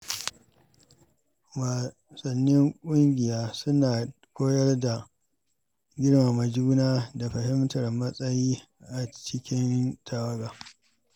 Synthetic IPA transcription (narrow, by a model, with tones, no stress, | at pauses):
waː˨ | sɐ˨nːɪ˦ŋkʷʼʊ˦ŋɡʲɪ˨jaː˦sʊ˦naː˨ | kʷoː˦jɐ˦rda˨ | ɡʲɪ˦ɽma˨mɐ˨d͡ʒuː˦naː˦da˨ɸɐ˨hɪ˦mtɐ˨rmɐ˦sʼɐ˦jiː˦ | ʔa˨t͡ʃɪ˦kʲɪ˦ntʰa˨wɐ˦ɡaː˨